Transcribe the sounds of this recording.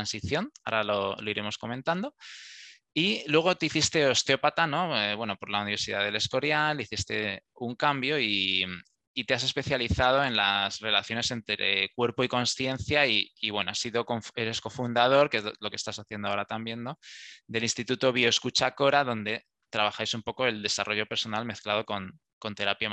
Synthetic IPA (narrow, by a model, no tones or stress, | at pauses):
ansiθjo̞na̰ɾalolo̞iɾʔe̞mo̞sko̞mẽnt̪and̪o̞ | ilwe̞ɣ̞o̞t̪eiθist̪e̞o̞st̪eo̞pat̪ano̞eβwe̞no̞po̞ɾlauniβeɾsiðaðe̞le̞sko̞ɾjaliθist̪e̞uŋkambjo̞iː | t̪e̞ase̞spe̞θjaliθað̞o̞e̞nlasre̞laθjo̞ne̞se̞nt̪ɾekwe̞ɾpoiko̞nsθje̞nθjaiːβwe̞noasiðo̞koɱfe̞ɾe̞sko̞fund̪að̞o̞ɾkelo̞ke̞st̪asaθje̞nd̪oaoɾat̪ambje̞nno̞d̪e̞linst̪it̪ut̪o̞βioskut͡ʃako̞ɾaðo̞nd̪e̞ | t̪ɾaβaxajsumpo̞ko̞e̞ld̪e̞saro̞ʝo̞pe̞ɾso̞nalme̞θklað̞o̞ko̞n | ko̞nt̪e̞ɾapja